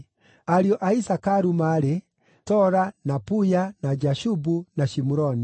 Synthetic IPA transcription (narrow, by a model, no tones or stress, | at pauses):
aɾiɔʔaisakaɾumaɾe | tɔɾanapujanad͡ʒaʃubunaʃimuɾɔni